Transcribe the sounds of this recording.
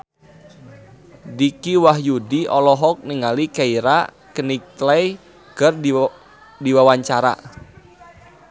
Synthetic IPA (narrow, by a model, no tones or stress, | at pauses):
dikiwahjudiɔlɔɦɔk̚niŋalikaiɾa | kənik̚laj | ɡ̥ər | diwawaɲt͡ʃaɾa̰